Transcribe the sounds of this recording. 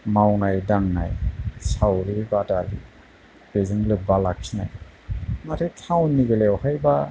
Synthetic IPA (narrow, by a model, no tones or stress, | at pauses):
mawnajdaŋna̰jsawɾibadalḭ | b̥ezɯŋlɯbalak̚sʰina̰j | maɾʰetʰawnːiɡelewhajba